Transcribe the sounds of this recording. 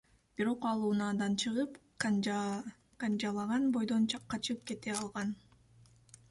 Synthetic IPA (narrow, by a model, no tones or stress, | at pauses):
b̥iɾo̞qɑlˠuːnɑːd̪ɑnt͡ʃʰɯʁɯp | kand͡ʒɑlˠɑʁɑnbo̞jd̪o̞nt͡ʃʰɑqːɑt͡ʃɯp̚ke̞t̪eɑlˠʁɑn